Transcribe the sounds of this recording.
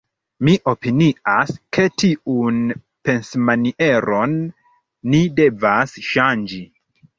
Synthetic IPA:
miʔo̞piniaskʰe̞tiun | pe̞nsmaniʔe̞ɾo̞nː | ide̞vasʃand͡ʒi

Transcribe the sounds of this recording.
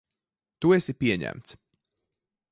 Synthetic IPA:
t̪uɛsipʲiɛɲæ̰mt̪s

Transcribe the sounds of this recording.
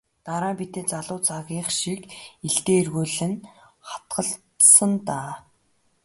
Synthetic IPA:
t̪aɾaːpit̪eːt͡saɮʊːt͡sʰaɣʲiːχʃikiɮt̪eːirɣuːɮɘ̆nχḁt̪ɢə̆ɬtsə̆nt̪aː

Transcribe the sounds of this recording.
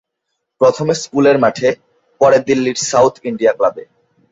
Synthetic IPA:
pɾot̪ʰomeskuleɾmaʈʰe | pɔɾed̪ilːiɾsawt̪ʰiɳɖijaklabe

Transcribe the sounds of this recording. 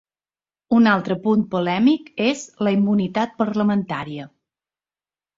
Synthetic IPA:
unalˠt̪ɾəpun̚pulɛmikezləimːunit̪at̪̚pəɾləmənt̪a̰ɾiə

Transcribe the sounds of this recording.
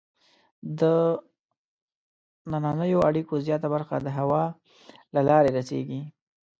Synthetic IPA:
d̪ə | nanɑnəjoaɽikozjɑt̪abaɾxa̰d̪əɦawɑ | lalɑɾeɾasḛɡi

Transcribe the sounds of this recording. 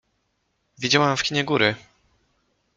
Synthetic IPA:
vʲid͡ʑawamfkʲiɲɛɡuɾɘ

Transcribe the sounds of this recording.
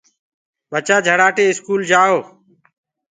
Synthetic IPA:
ɓət͡ʃaːd͡ʒʱəɽaːʈeːɪskuːld͡ʒaːoː

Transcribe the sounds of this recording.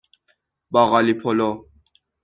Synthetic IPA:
baɣalipʰɔlɔ

